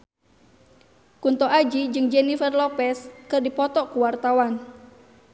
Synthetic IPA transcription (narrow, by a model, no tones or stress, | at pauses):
kunt̪ɔʔad͡ʒid͡ʒɨŋd͡ʒɛnifɛrlɔpɛskɨrdipɔt̪ɔkuwart̪awan